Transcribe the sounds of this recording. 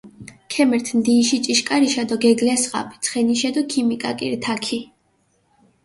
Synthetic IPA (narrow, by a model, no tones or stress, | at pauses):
kʰɛmɛɾt̪ʰmd̪iːʃit͡ʃʼiʃkʼaɾiʃad̪ɔɡɛɡlɛsχa̰pʰi̥t̪sʰχɛniʃɛd̪ɔkʰimikʼa̰kʼḭɾt̪ʰakʰi